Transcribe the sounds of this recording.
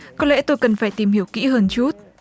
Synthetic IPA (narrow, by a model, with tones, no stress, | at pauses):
kɔ˨˦˥lɛ̰˧˥t̪o˧jkə˨˩nfaː˧˩jt̪i˨˩mhi˧˩əwkḭ˧˥ɦəː˧nt͡ɕu˦˥t̚